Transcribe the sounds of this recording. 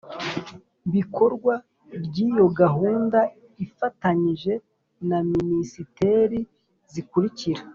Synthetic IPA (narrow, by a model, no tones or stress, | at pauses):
βikʰo̞ɾɡwa | bɟiːjo̞ɡaɦuːnda | ifataɲiʒe̞ | naminisite̞ɾi | zikuɾiciɾa